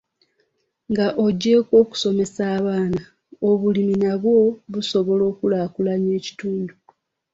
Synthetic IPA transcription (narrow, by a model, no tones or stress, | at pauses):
ŋɡaʔo̞ɟːe̞ːkwo̞ːku̥so̞me̞saːβaːna | oβuliminaβwo̞βuso̞βo̞lo̞ːkulaːkulaɲe̞ːci̥tuːndu